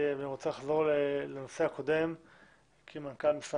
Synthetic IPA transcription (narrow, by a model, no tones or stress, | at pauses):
vaniʁot͡selaχzo̞ʁleleno̞seako̞d̪e̞m | kʰimankalmisa